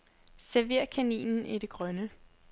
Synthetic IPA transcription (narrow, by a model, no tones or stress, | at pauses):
sæɐʋe̝ɐ̰kʰænḭːnn̩ʔid̥e̝ɡ̥ʁɶnə